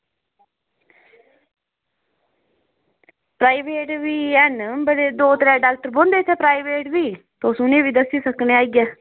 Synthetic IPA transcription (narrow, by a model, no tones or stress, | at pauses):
pɾaːiʋeːʈʋiːɛnbəɽeːd̪oːt̪ɾɛːɖaːk̚ʈəɾbõnd̪eːt̪ʰɛːpɾaːiʋeːʈʋiː | t̪oːsʊnẽːʋiːd̪əsiːsəkneːaːiɡɛː